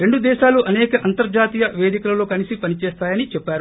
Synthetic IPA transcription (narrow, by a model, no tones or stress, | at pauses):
ɾe̞ɳɖud̪ɛːʃaːluʔɐnɛːkɐʔɐnt̪ɐɾd͡ʒaːt̪ijɐʋe̞ːd̪ikulɐlo̞ːkɐnisipɐnit͡ʃɛːst̪aːjɐnit͡ʃɛpːaːɾu